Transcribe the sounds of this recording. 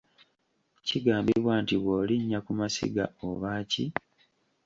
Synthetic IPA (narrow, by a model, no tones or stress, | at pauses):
ciɡaːmbiβwaːntiβwoːliɲːakumasḭɡa̰oβaːci